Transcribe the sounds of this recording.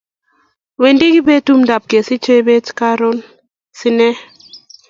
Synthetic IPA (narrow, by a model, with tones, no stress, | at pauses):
we˨ndi˦ɡi˦be˦tu˦mda˨p̚ke˨si˦t͡ʃe˦be˦tka˦ɾo˦n | si˦nɛ˦